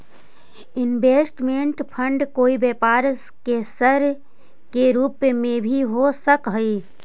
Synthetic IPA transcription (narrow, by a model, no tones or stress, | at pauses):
ɪnbeːsʈmeɳʈpʰə̃ɳɖkoːibeːpaːɾskesəɾ | keɾuːpmẽbʱiɦosəkɦəi